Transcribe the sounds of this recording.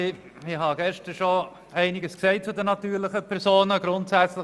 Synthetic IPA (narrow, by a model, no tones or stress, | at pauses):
ɪhɑɡɛʃtəɾʃo | æɪnɪɡəsksɛɪt̚t͡sʊdənɑtyːɾlɪχəpʰɛɾsoːnəɡɾʊntsæt͡slɪ